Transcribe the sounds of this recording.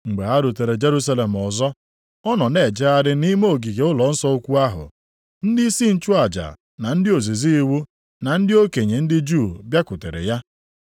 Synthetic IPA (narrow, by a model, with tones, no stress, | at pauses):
ŋ͡m̩˨ɡ͡be˨ɦa˦ɾʊ˨te˨ɾe˨d͡ʒe˦ɾu˦s̬a˦le˨m̩˨ɔ˨zɔ˦ | ɔ˦nɔ˨ne˨d͡ʒe˦a˦ɾɪ˦ni˦mo˦˨ɡi˨ɡe˨ʊ˦lɔ˨n̩˦sɔ˦o˦kʷu˦a˦ɦʊ̰˨ | n̩˦dɪ˦si˦n̩˦t͡ʃʊ˦a˨d͡ʒa̰˨ | na˨n̩˦dɪ˦o˨zi˨zi˦i˦wu˦ | na˨n̩˦dɪ˦o˦ke˨ɲe˨n̩˦dɪ˦d͡ʒu˦˨bja˦kʊ˨tḛ˨ɾḛ˨ja˦